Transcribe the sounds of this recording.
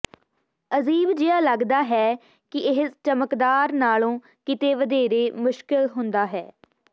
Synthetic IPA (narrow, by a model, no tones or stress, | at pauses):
əziːbd͡ʒɪaːləɡd̪aːɦɛː | kɪʔɪɦst͡ʃəməkd̪aːɾnaːlõː | kɪt̪eːʋəd̪eːɾeːmʊʃkɪlɦʊnd̪aːɦɛː